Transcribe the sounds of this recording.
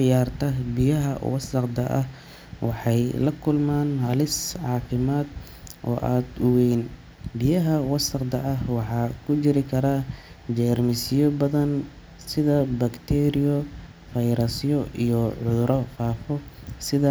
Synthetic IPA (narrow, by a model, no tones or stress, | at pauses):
ʕɪjaːrt̪ʰɐbɪjɐɦɐ̰wɐ̰sɐqd̪ɐʔɐh | wɑħɑjlɐkʰʊlmaːnɦɐlɪsʕɑːfɪmaːd̪ | ʔɔ̰ːʔaːd̪ʊwɛjn | bɪjɐɦɐwɐsɐqd̪ɐʔɐɦwɑħɑːkʰʊt͡ʃɪɾɪkʰɐɾad͡ʒɛːrmɪsjɔbɐðɐn | sɪðɐbɐkt̪ʰɛɾɪjɔ | fɐjɾɐsjɔʔijɔʕʊðʊɾɔfaːfɔ | sɪðɐ